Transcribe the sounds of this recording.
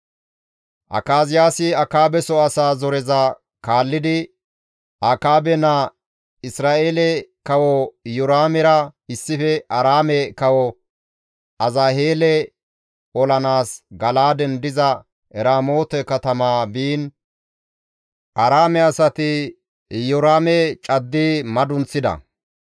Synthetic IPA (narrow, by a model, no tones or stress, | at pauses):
ʔɐ̰kaːzɪjaːsɪɐkaːbɛsɔɐsaːzɔɾɛzɐ | kaːlːɪd̪ɪ | akaːbɛnɐ | ɪsɾaːʔeːlɛkɐwɔjʊɾaːmɛɾɐɪsːɪfɛʔɐɾaːmɛkɐwɔ | ɐzaːheːlɛ | ɔlɐnaːsɡɐlaːd̪ɛnd̪ɪzɐ | ɛɾaːmoːt̪ɛkɐt̪ɐmaːbiːn | ʔɐɾaːmɛɐsɐt̪ɪ | jɔɾaːmɛt͡ʃʼɐd̪ːimɐd̪ʊnt͡sːɪd̪ɐ̰